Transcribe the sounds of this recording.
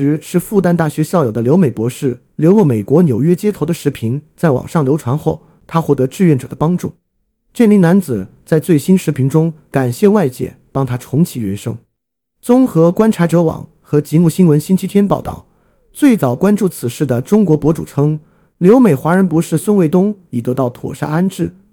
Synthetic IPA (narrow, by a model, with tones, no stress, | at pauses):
ɻ̩˧˥ʂɻ̩˥˧fu˥˧t̪a˥˧nt̪a˥˩ɕɥɛ˧˥ɕjɑ˥˩ʊjo˨˩ʊd̪ə˦ljo˧˥ʊme˨˩pwɔ˧˥ʂɻ̩˥˩ | ljo˧˥ʊlɔ˥˩me˨˩ɪkwɔ˧˥njo˨˩ʊɥɛ˥t͡ɕjɛ˥t̪ʰo˧˥ʊd̪ə˧ʂɻ̩˧˥pʰi˧˥ŋt͡sa˥˩ɪwɑ̰˨˩ŋʂɑ˥˩ŋljʊʈ͡ʂʰwa˧˥nxo˥˩ʊ | t̪ʰa˥xwɔ˥˩t̪ɤ˧˥ʈ͡ʂɻ̩˥˧ɥɛ˥˩nʈ͡ʂɤ̰˨˩d̪ə˦pɑ˥ŋʈ͡ʂṵ˥˩ | ʈ͡ʂɛ˥˩nli˧˥na˧˥nt͡sɹ̩˨˩t͡sa˥˧ɪt͡swe˥˩ɪɕi˥nʂɻ̩˧˥pʰi˧˥ŋʈ͡ʂʊ˥ŋka˨˩nɕjɛ˥˧wa˥˧ɪt͡ɕjɛ̰˥˩pɑ˥ŋt̪ʰa˥ʈ͡ʂʰʊ˧˥ŋt͡ɕʰi˧˥ɥɛ˧˥ʂɤ̰˥ŋ | t͡sʊ˥ŋxɤ˧˥kwa˥nʈ͡ʂʰa˧˥ʈ͡ʂɤ˧˥wɑ̰˨˩˦ŋ | xɤ˧˥t͡ɕi˧˥mu˥˩ɕi˥nwə˧˥nɕi˥nt͡ɕʰi˥t̪ʰjɛ˥npɑ˥˧ʊt̪ɑ̰˥˩ʊ | t͡swe˥˩ɪt͡sɑ˨˩ʊkwa˥nʈ͡ʂu˥˩t͡sʰɹ̩˨˩ʂɻ̩˥˩d̪ə˩ʈ͡ʂʊ˥ŋkwɔ˧˥pwɔ˧˥ʈ͡ʂu˨˩ʈ͡ʂʰɤ˥ŋ | ljo˧˥ʊme˨˩ɪxwa˧˥ɻə˧˥npu˧˥ʂɻ̩˥˧swə˥˧nwe˥˧ɪt̪ʊ˥ŋi˨˩t̪ɤ˧˥t̪ɑ˥˩ʊt̪ʰwɔ̰˨˩ʂa̰˥˧a˥nʈ͡ʂɻ̩˥˩